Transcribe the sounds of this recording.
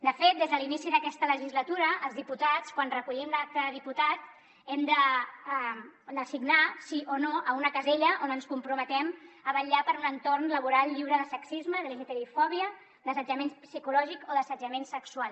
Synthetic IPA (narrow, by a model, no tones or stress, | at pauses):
d̪əfet̪̚d̪ezðəlinisiðəkɛst̪ələʒizlət̪uɾəʔəlˠzðiput̪at͡skwanrəkuʎimlak̚t̪əðiput̪at̪ | ɛmd̪ə | d̪əsiɡnasiʔonoʔəunəkəzeʎəʔonənskumpɾumət̪ɛməβəʎapəɾunənt̪ornləβ̞uɾalˠʎiwɾəðəsəksizməðəliʒət̪əɾiufɔβiə | d̪əsəd͡ʒəmenpsikulɔʒikoðəsəd͡ʒəmensəkswalˠ